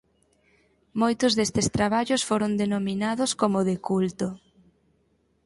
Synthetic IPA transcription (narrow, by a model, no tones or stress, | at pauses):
mojt̪ʊzðest̪est̪ɾaβaʎʊsfoɾond̪enominaðʊskomʊðɪkult̪o